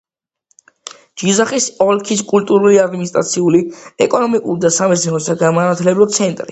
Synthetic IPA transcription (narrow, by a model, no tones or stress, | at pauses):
d͡ʒizaχisɔlkʰis̬kʼult̪ʼuɾuliad̪minist̪ʼɾa̰t̪sʰiuliɛkʼɔnɔmikʼuɾid̪asamɛsʰnɛɔsʰaɡamanat̪ʰlɛblɔt̪sʰɛnt̪ʼɾi